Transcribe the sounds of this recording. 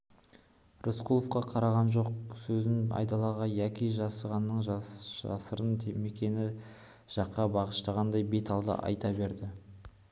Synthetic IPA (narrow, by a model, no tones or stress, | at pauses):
rʊsqʰulˠofqɑqʰɑɾɑʁɑnʒo̞q̚sɵzɪnɑ̰jt̪ɑlˠɑʁɑjækʲijʒɑsəʁɑnːəɴʒʒɑ̰səɾənt̪ʰeme̞kʲe̞nɪ | ʒ̥ɑqːɑbɑʁəʃt̪ɑʁɑnd̪ɑjbe̞t̪ɑlˠd̪ə̰ʔɑ̰jt̪ɑbe̞ɾd̪ɪ